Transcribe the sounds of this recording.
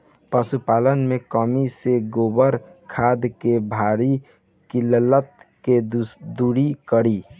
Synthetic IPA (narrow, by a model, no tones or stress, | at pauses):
pəsupaːlənmẽkɔːmiseɡoːbəɾkʰaːd̪kebʱaːɾi | kilələt̪̚ked̪uɽikəɽiː